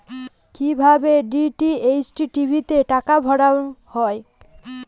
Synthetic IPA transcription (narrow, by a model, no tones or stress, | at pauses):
kibʱabeɖiʈiejsʈiʈibʱit̪eʈakabʱɔɽahɔe